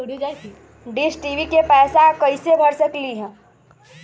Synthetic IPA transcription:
ɖisʈiːʋikepɛːsakɐɪsebʱɐɽsəkliɦɛ̃ː

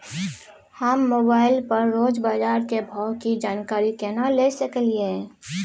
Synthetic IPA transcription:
həmːoːbaːɪlpəɾːoːd͡ʒbaːd͡ʒaːɾkebʱɔkid͡ʒaːnkaːɾikeːnalesəklie

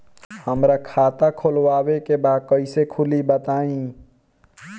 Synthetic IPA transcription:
həmɾakʰaːt̪akʰolwaːwekebaːd̪̚kəɪsekʰʊlibət̪aːĩ

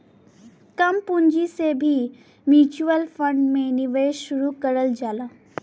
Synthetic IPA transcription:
kɐmpʊ̃ɲd͡ʒisebʱi | mjuːt͡ʃuəlfə̃ɳɖmẽnɪʋeʃʊɾukəɾəld͡ʒaːlaː

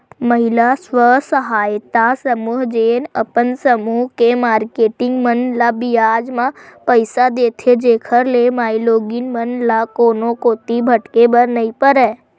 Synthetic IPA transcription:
məɦɪlasʋəsəɦaːjt̪asəmuːɦd͡ʒeːnəpənsəmuːɦkemaːɾkeːʈɪ̃ŋɡmənlabɪjaːd͡ʒmãpəɪsad̪eːt̪ʰed͡ʒeːkʰəɾlemaːiloːɡinmənlakoːnõkoːt̪ibʱəʈkebəɾnəĩpəɾɛː

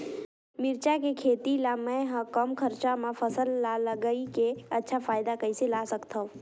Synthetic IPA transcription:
mɪɾt͡ʃakekʰeːt̪ilamɛ̃ɦə̃kəmkʰəɾt͡ʃamãfɐsəlːaləɡəikeɐtːʃʰafaːjɪd̪akɐiselaːsɐkt̪aõ

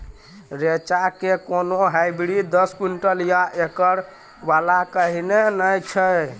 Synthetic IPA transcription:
ɾet͡ʃakekonoɦajbɽid̪əskuɳʈəljaʔekəɾ | balakəɦinenəjt͡ʃʰə

